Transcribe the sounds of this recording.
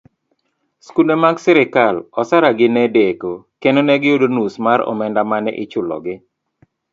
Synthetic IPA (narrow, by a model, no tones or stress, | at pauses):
skulemaɡsɪɾɪkalɔsaɾaɡɪnɛdekokenonɛɡɪjodonusmaɾɔ̰mɛndamanɛ̰ʔɪt͡ʃʊlɔ̰ɡɪ